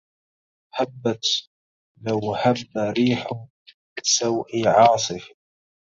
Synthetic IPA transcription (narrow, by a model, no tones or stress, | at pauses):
habːat̪ | lawhabːaɾiːħʊ | ɪsawʔiʕɑːsˤɨf